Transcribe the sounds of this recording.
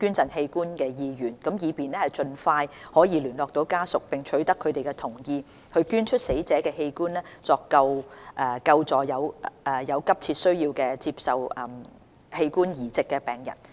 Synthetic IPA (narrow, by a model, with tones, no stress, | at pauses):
kyː˥nt͡sɐ˨nhe˧jkuː˥nkɛː˧jiː˧jyː˨˩nkɐ˨˥mjiː˨˧piː˨nɛː˥hɐ˨˩jt͡ʃɵ˧nfaː˧jhɔː˨˥jiː˨˧lyː˨˩nlɔː˨k̚t̪o˨˥wkaː˥sʊ˨k̚pɪ˨˩ŋt͡ʃʰɵ˨˥ɥt̪ɐ˥kʰːɵ˨˧ɥt̪e˨˩jkɛː˧t̪ʰʊ˨˩ŋjiː˧ | hʰɵ˧ɥkyː˥nt͡ʃʰɵ˥t̚se˨˥jt͡sɛː˨˥kɛː˧he˧jkuː˥nlɛː˥t͡sɔː˧kːɐ˧wʔɛː˨kɐ˧wt͡sɔː˨˩jɐ˨˧wːjɐ˨˧wkɐ˥p̚t͡sʰiː˧t̚sɵ˥ɥjiː˧wkɛː˧t͡siː˧p̚sɐ˨wɛ˨m | he˧jkuː˥njiː˨˩t͡sɪ˨kːɛː˧pɛː˨ŋjɐ̰˨˩n